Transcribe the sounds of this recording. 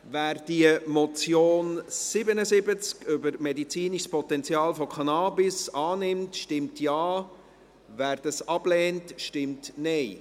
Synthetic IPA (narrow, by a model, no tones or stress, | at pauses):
væːrd̥iəmɔt͡sjoːnsɪbənəzɪbət͡skʏbəɾmɛdit͡siːniʃspɔtɛnt͡sjɑːlfɔkʰɑnɑːbɪsɑːnɪmtʃtɪmtjɑː | væːɾd̥ɑsɑbleːntʃtɪmtnɛɪ